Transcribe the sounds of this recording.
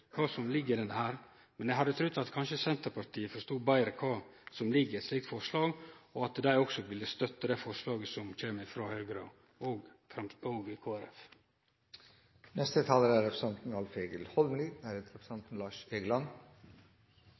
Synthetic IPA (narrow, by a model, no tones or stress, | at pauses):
kʰɑːsɔmlɪɡːəd̪ɛnːəhæːɾ | mɛnjæɪɦɑd̪ːət̪ʰɾʉd̪ɑt̪kʰɑnʃəsɛnt̪əɾpɑɾt̪ʰiːəfɔɾʂt̪uːbæɪɾəkʰɑːsɔmlɪɡəɾɛt̪sliːk̚t̪fɔʂlɑːɡɔɑt̪d̪æɪɔksɔʋɪlːəst̪œt̪ːəd̪æfɔʂlɑːɡəsɔmc͡çeːməɪfɾoːhœʏɡɾɑ̰ | oɡ | fɾɑmoːɡkʰoːæɾɛ̰f | nɛst̪ət̪ʰɑːləɾæɾɛpɾə̥sɛnt̪n̩ɑlfeːɡəlhɔlmlinæɾet̪ɾɛpɾsɛnt̪n̩lɑːʂeːɡlɑn